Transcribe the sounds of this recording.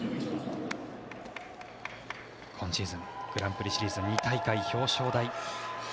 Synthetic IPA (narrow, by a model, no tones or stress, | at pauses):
kʰõɲ̃ɕiːzɨ̃ŋɡ̥ɯ̟ɾãmpɯ̟ɾʲiɕiɾʲiːzɨɲʲit̪aikaiço̞ːɕo̞ːd̪ai